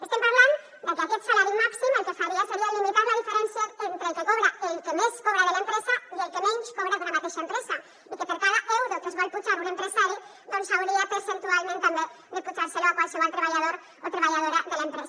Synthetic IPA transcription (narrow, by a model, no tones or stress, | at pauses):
est̪empaɾβlan | d̪ekeaket̪salaɾimaksimelkesaβɾiaseɾialimit̪aðlaðifeɾensjaent̪ɾelkekoβɾaelkemeskoβɾaðelaempɾesaielkemẽnskoβɾaðunamat̪eʃaempɾesa | ekepeɾkaðaʔoðelkezβaʎput͡ʃaɾunempɾesaɾu | d̪onsaβɾiapeɾsent̪ualmẽnt̪anb̪e | d̪eput͡ʃaɾseloakwalsiβalt̪ɾeβaʎað̞oɾ | ot̪ɾeβaʎaðoɾaðelaempɾesa